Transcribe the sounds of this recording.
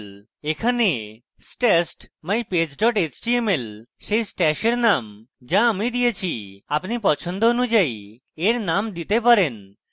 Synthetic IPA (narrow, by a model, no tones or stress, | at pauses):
l | ekʰane | sʈɛsʈmajped͡ʑɖɔʈet͡ɕʈiemelʃejsʈɛʃeɾnamd͡ʑaamid̪ijet͡ɕʰiapnipɔt͡ɕʰond̪oonud͡ʑaj | eɾnamd̪it̪epaɾen